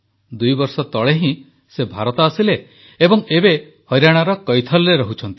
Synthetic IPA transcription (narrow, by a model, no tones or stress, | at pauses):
d̪ujbɔɾsɔt̪ɔɭeɦĩ | sebʱaɾɔt̪ɔːsileː | bɔŋebe | hɔjɾaɽ̃aɾɔkɔjt̪ʰɔlɾeɾɔɦut͡ʃʰɔnt̪i